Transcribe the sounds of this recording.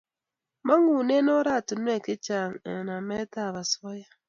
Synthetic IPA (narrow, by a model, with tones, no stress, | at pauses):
ma˦ŋu˨ne˦nɔ˦ɾa˦˨tʊ˨n˦e˦˨kɪ˦t͡ʃa˨ŋe˨na˨mɛ˦ta˦˨βa˨sɔ˦ja˦